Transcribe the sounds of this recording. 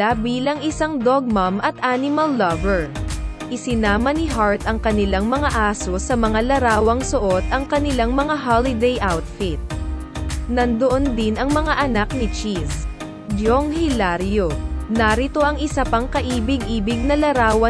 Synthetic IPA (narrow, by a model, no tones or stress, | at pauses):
abiːlɐŋʔɪsaŋd̪oɡ̚mɐmʔɐt̪ʔaːnɪmɐlːɐvɛɹ | ʔɪsɪnaːmɐnɪɦaɹt̪ɐŋkɐnɪlaŋmɐŋaʔaːso̞sɐmɐŋalɐɾaːwɐŋsʊʔo̞t̪̚ʔɐŋkɐnɪlaŋmɐŋaɦalɪd̪ɛjʔawt̪fɪt̪̚ | nɐnd̪oʔond̪ɪnɐŋmɐŋaʔɐnak̚nɪt͡ʃis | d͡ʒoŋhɪlaɾjonaɾɪt̪o̞ʔɐŋɪsɐpɐŋkɐʔiːbɪɡʔiːbɪɡ̚nɐlɐɾaːwɐ